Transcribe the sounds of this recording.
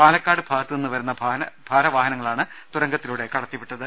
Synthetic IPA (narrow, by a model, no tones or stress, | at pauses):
paːlɐkːaːɽɨbʱaːɡɐt̪ːɨnenːɨʋɐɾunːɐbʱaːɐnɐbʱaːɾɐʋaːɦɐnɐŋːɐɭaːɳɨt̪uɾɐŋɡɐt̪ːiluːɽe̞kɐɽɐt̪ːipːiʈːɐðɨ